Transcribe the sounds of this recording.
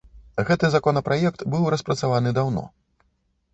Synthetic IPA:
ɣɛt̪ɨzakɔnɐpɾʔajɛkt̪bɨwɾɐspɾɐt̪savanɨd̪awnɔ̰

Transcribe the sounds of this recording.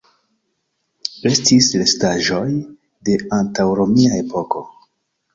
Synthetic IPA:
e̞stislestaʒo̞j | de̞antawɾo̞miae̞po̞ko̞

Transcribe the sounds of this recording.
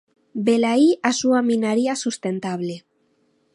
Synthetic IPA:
belaiasuaminaɾiasust̪ent̪aβle

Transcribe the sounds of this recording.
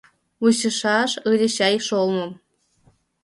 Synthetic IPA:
uɕə̆ʃɑʃɯɾʲə̆ɕɑjʃolmɤ̆m

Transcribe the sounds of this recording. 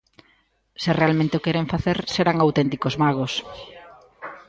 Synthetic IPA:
sɪrealmẽnt̪eokeɾeɱfaθeɾseɾaŋawt̪ent̪ikozmaɣ̞os

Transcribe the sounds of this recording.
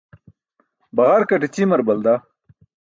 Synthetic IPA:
bɐʁaːɾkɐʈet͡ɕimɐɾbɐld̪a

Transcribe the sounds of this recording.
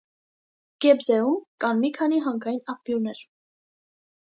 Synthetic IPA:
ɡ̥ɛbzɛumkɑnmikʰɑniɦɑŋkʰɑjinɑpbjunɛɾ

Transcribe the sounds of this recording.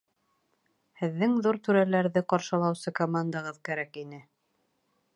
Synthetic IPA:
hɘ̆ðːɘŋðuɾt̪ʉɾælæɾðɘqɑɾʃɤ̆lˠɑwsɤkomand̪aʁɤðkæɾækinɘ

